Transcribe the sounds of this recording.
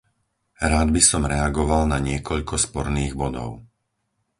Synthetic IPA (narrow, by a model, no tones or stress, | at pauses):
ɾaːd̪̚bisɔmɾɛaɡɔʋalnaɲɪɛkɔʎkɔspɔɾniːɣbɔd̪ɔ̰ʊ